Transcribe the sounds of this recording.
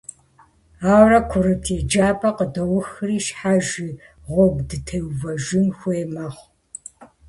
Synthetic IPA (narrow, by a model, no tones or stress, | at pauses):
aːwrɐkʷʰʊɾɨpʰeːd͡ʒaːpʼɐqədɐwʊxɨriːʃħaʒi | ʁʷɔbdɨtʰɐwvɐʒɪmxʷeːmɐχʷ